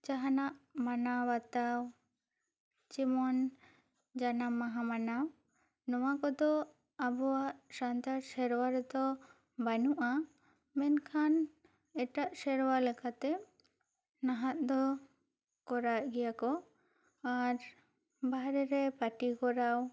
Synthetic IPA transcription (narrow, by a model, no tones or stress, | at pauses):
t͡ʃaɦanaʔmanawat̪aw | t͡ʃimɔn | d͡ʒanamːaɦamanaw | nɔwakɔd̪ɔ | abɔwaʔsant̪aɾsɛɾwaɾɛd̪ɔ | banuʔa | mɛnkʰan | ɛʈaʔsɛɾwalɛkat̪ɛ | naɦat̪̚d̪ɔ | kɔɾaʔɡɛjakɔ | aɾ | baɦɾɛɾɛpaʈikɔɾaw